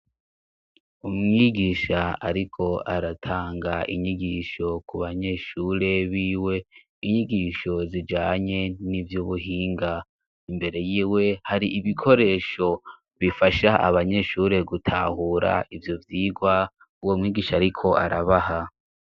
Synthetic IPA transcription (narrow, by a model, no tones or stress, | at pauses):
umŋiːɡiʃaaɾikʰo̞aɾatʰaːŋɡaʔḭɲiɡiʃo̞kuβaɲe̞ʃuːɾe̞βiːwe̞ | iɲiɡiʃo̞zid͡ʒaːɲe̞nivjuːβuɦiːŋɡa | imbe̞ɾe̞jiːwe̞haɾiiβikʰo̞ɾe̞ːʃo̞ | βifaʃaʔa̰βaɲe̞ʃuːɾe̞ɡutʰa̰huːɾa̰ivjovjiːɡwa | uwomŋiːɡiːʃaːɾikʰo̞a̰ɾaβaha